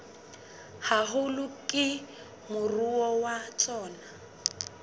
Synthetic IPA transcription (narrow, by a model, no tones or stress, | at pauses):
haɦʊlʊkʼɪ | mʊruɔwat͡ʃʼɔːna